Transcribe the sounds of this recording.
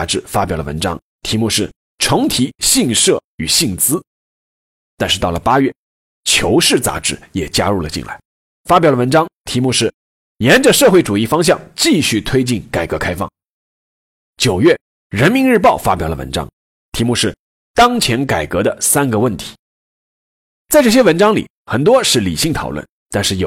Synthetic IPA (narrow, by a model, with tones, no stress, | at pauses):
ʈ͡ʂɻ̩˥˩fa˥pjɑ˨˩lə̰˧wə˧˥nʈ͡ʂɑ̰˥ŋ | t̪ʰi˧˥mu˥˧ʂɻ̩˥˩ | ʈ͡ʂʰʊ˧˥ŋt̪ʰi˧˥ɕi˥˧ŋʂɤ˥˩y˨˩ɕi˥˩ŋt͡sɹ̩˥ | t̪a˥˧nʂɻ̩˥˧t̪ɑ˥˩lə˩pa˥ɥɛ˥˩ | t͡ɕʰjo˧˥ʊʂɻ̩˥˩t͡sa̰˧˥ʈ͡ʂɻ̩˥˩jɛ˨˩t͡ɕja̰˥ɻu˥˩lə˩t͡ɕi˥˧nla̰˧˩ɪ | fa˥pjɑ˨˩lə˧wə˧˥nʈ͡ʂɑ˥ŋt̪ʰi˧˥mu˥˧ʂɻ̩˥˩ | jɛ˧˥nʈ͡ʂə˧ʂɤ˥˧xwe˥˩ɪʈ͡ʂu˨˩i˥˩fɑ˥ŋɕ̬jɑ̰˥˧ŋt͡ɕi˥˧ɕy˥˩t̪ʰwe˥ɪt͡ɕi˥˩nka˨˩ɪkɤ˧˥kʰa˥ɪfɑ̰˥˩ŋ | t͡ɕjo˨˩ʊɥɛ˥˩ | ɻə˧˥nmi˧˥nɻ̩˥˧p̬ɑ˥˩ʊfa̰˥pjɑ˨˩ʊlə̰˧wə̰˧˥nʈ͡ʂɑ̰˥ŋ | t̪ʰi˧˥mu˥˧ʂɻ̩˥˩ | t̪ɑ˥ŋt͡ɕʰjɛ˧˥nka˨˩ɪkɤ˧˥d̪ə˧sa˥nɡə˨wə˥˩nt̪ʰi̥˧˩˥ | t͡sa˥˧ɪʈ͡ʂɤ˥˩ɕjɛ˥wə˧˥nʈ͡ʂɑ˥ŋlḭ˨˩˦ | xə˨˩nt̪wɔ˥ʂɻ̩˥˩li˨˩ɕi˥˩ŋt̪ʰɑ˨˩ʊlwə̰˥˩n | t̪a˥˧nʂɻ̩˥˩jo˨˩